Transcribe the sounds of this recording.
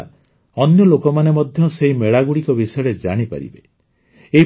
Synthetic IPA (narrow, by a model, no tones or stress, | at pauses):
ɔnjɔlokɔmanemɔd̪ʱjɔseɦimeɭaɡuɽikɔbisɔjɔɽed͡ʒaɽ̃ipa̰ɾḭbe | ei